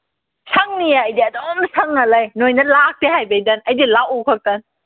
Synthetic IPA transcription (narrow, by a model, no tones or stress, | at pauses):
sʰaŋniaːjdiɐdɔmsʰɐŋːɐlajnojnɐlak̚teɦajbejdɐnɐjdilawokʰak̚tɐn